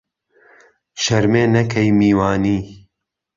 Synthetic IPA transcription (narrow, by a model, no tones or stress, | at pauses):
ʃɐɾmeːnɐkʰɐjmiːwaːniː